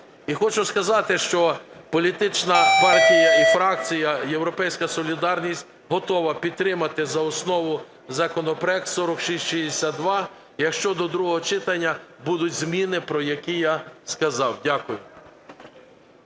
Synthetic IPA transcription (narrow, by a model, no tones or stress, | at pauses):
ixɔt͡ʃʊskɐzɑt̪ɪʃt͡ʃɔpɔlʲit̪ɪt͡ʃnɐpɑrtʲijɐifɾɑk̚t͡sʲijɐjewɾɔpɛjsʲkɐsɔlʲid̪ɑrnʲisʲtʲ | ɦɔt̪ɔʋɐpʲid̪t̪ɾɪmɐt̪ɪzɐɔsnɔʋʊ | zɐkɔnɔpɾɔɛk̚t̪sɔɾɔkʃisʲtʲʃizd̪esʲad̪̚d̪ʋɑ | jɐkʃt͡ʃɔd̪ɔd̪ɾuɦɔɦɔt͡ʃɪt̪ɐnʲːɐbud̪ʊtʲzmʲinɪpɾɔjɐkʲijaskɐzɑwdʲakʊjʊ